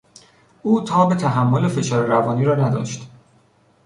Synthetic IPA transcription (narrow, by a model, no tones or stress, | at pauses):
ʔuːt̪ʰɒːbe̞t̪ʰæɦæmːo̞le̞fe̞ʃɒːɾeɾævɒːniːɾɒːnæd̪ɒ̰ːʃt̪